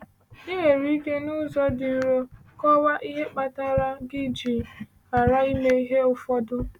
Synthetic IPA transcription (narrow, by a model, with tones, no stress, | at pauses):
nɪ˦ɦe˨ɾi˦ke˦nʊ˦zɔ˦dɪ˨ɾo˦kɔ˦wa˦ʔi˦ɦe˦k͡pa˨ta˦ɾa˦ɡɪ˦d͡ʒi˨ | a˨ɾa˦i˦me˦i˦ɦe˦ʊ˨fɔ˦dʊ˦